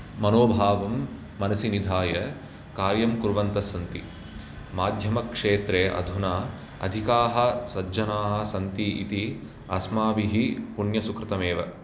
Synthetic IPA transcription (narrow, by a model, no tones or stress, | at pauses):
mɐnoːbʱaːʋɐmː | ɐnɐsinid̪ʱaːjɐ | kaːɾjɐmkuɾʋɐnt̪ɐsːɐnt̪ḭ | maːd̪ʱjɐmɐkʂeːt̪ɾeːʔɐ̰d̪ʱunaː | ɐ̰d̪ʱikaːɦɐ̆sɐd͡ʒɐnaːɦɐ̆sɐnt̪iʔḭt̪i | ɐsmaːʋiɦipuɳjɐsukɾɪt̪ɐmeːʋɐ̰